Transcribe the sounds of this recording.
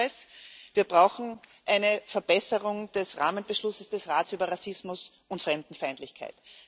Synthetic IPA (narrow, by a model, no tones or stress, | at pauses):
sviːɐb̥ʁaʊxn̩ʔaɪnəfɛɐb̥ɛsəʁʊŋd̥ɛsʁa̰ːmənb̥əʃlʊsəsd̥ɛsʁaːtsʔyːbɐʁasɪsmʊs | ʊntfʁɛmd̥n̩faɪntlɪçkʰa̰ɪt